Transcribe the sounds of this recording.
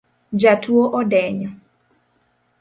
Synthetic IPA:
d͡ʒatʰwoʔɔdɛɲɔ

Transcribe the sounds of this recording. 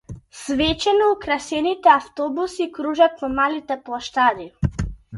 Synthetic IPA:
svɛt͡ʃɛnɔukɾasɛnit̪ɛaft̪ɔbusikɾuʒat̪vɔmalit̪ɛplˠaʃt̪ad̪i

